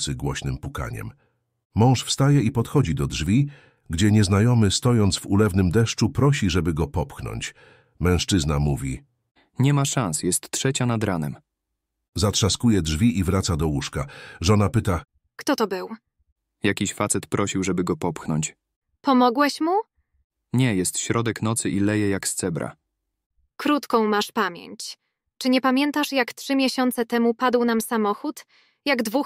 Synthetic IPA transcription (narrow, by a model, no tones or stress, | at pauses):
sɘɡwɔɕnɘmpuka̰ɲɛ̰mː | ɔ̃w̃ʂfst̪ajɛipɔt̪xɔd͡ʑid̪ɔdʐvʲi | ɡd͡ʑɛɲɛznajɔmɘst̪ɔjɔnt̪svulɛvnɘmd̪ɛʂt͡ʂupɾɔɕiʐɛbɘɡɔpɔpxnɔ̰ɲt͡ɕ | mɛ̃w̃ʂt͡ʂɘznamuvʲḭ | ɲɛmaʂansjɛst̪ːtʂɛt͡ɕanad̪ɾanɛ̰m | zat̪ʂaskujɛdʐvʲiʔivɾat̪sad̪ɔwuʂkaʐɔnapɘt̪a | kt̪ɔt̪ɔbɘw | jakʲiɕfat̪sɛt̪pɾɔɕiwʐɛbɘɡɔpɔpxnɔ̰ɲt͡ɕ | pɔmɔɡwɛɕmu | ɲɛjɛst̪ɕɾɔd̪ɛknɔt̪sɘʔilɛjɛjakst̪sɛbɾa̰ | kɾut̪kɔ̃w̃maʂpamʲjɛ̰ɲt͡ɕ | t͡ʂɘɲɛpamʲjɛnt̪aʂjaktʂɘmʲjɛɕɔnt̪sɛt̪ɛmupad̪wnamsamɔxut̪ | jaɡd̪vux